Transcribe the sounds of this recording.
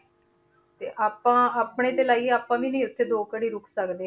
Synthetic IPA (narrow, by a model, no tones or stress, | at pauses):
t̪ḛːʔaːpãːaːpɳeːd̪eːlaːiːaːpãːʋiːnəĩːʊt̪ʰːeːd̪oːkəɽiːɾʊkʰsəkd̪eː